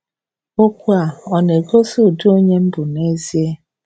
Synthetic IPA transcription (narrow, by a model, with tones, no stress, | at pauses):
o˦kʷu˦a˨ɔ˨ne˨ɡo˦su˦˨du˦o˦ɲe˦m̩˦bʊ˨ne˦zi˦e˦